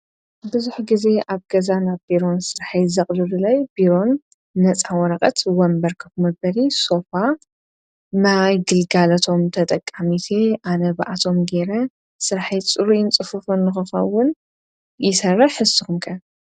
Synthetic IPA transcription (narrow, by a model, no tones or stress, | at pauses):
bɨzuħɡize̞ʔaβɡɐzanaβbiɾo̞nsɨɾħizɐkʼlɨlulɐjbiɾo̞nː | ɐt͡sʼawɔɾɐkʼɐt̪wɐmbɐɾkʰɐkmɐbɐɾiso̞fa | najɡɨlɡalɐt̪ʰo̞mt̪ʰɐt̪ʼɐkʼːamit̪ʰeʔanɐba̰ʔat̪ʰo̞mɡe̞ɾɐ | sɨɾħit͡sʼɨɾujɪnt͡sʼɨfufunːɨxɨxɐ̰wʊn | jɪsɐrːɐħħɨsɨxumkʰɐ